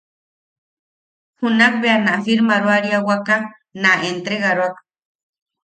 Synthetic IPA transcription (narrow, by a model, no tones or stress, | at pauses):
hunak̚beanafiɾmaɾwaɾiawaka | naʔent̪ɾeɣaɾwak